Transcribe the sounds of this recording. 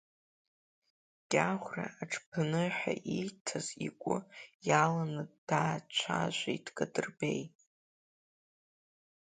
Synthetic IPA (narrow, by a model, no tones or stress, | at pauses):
ɡ̥ʲʼaχʷra̰ːʈ͡ʂʰpʰɨnɨħa̰ʔijtʰazikʷʼʊjalanɨddaːt͡ʃʷʰaʒʷijtkʼadɨrbej